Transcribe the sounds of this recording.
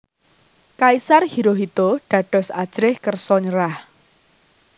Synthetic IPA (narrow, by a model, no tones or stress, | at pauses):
kaisarhiɾoɦit̪oɖ̥ä̤ɖ̥ɔ̤sad̥ʒ̥ɾɪhkərsɔɲəɾah